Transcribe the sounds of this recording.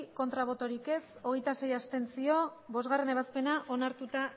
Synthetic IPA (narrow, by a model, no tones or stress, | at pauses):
ko̞nt̪ɾaβo̞t̪o̞ɾike̞so̞ɣ̞e̞jt̪ase̞jast̪e̞nsio̞βo̞zɣare̞ne̞βaspe̞naʔonaɾt̪ut̪a